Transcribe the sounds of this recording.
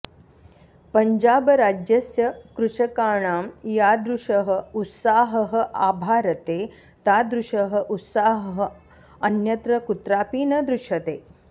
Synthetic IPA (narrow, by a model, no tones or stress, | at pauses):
pɐɲd͡ʒaːbɐɾaːd͡ʒjɐsjɐkɾuʂɐkaːɳaːmjaːd̪ɾuʂɐɦɐ̆ut̪saːɦɐɦɐ̆ʔaːbʱaːɾɐt̪eː | t̪aːd̪ɾuʃɐɦɐ̆ʔut̪saːɦɐɦɐ̆ | ɐnjɐt̪ɾɐkut̪ɾaːpiːnɐd̪ɾuʃɐt̪eː